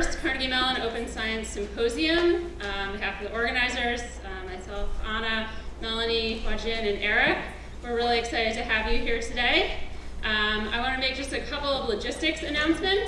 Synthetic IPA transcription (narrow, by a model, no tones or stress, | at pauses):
stkʰɑ˞nɨɡimɛlˠə̃noʊpɨ̃nsaɪɨ̃nsɨ̃mpʰoʊziɨ̃m̃ | bɨɦæfʌvðiʔɔɹɡɨnaɪzə˞z̥ | maɪsɛlˠfɑñəmɛlˠənifwɑd͡ʒɪ̃nɨ̃nɛɹɪk | wə˞ɹɪlˠiɨksaɪɾɨd̚tʰɨɨvjɨɦiɹtʰɨdeɪʔʌ̃ma̰ɪwɑ̃nɨmeɪk̚d̥ʒ̥ʌstɨkʰʌpl̩ˠʌvlɨd͡ʒɪstɨksɨnãʊ̃nsmɨ̃nt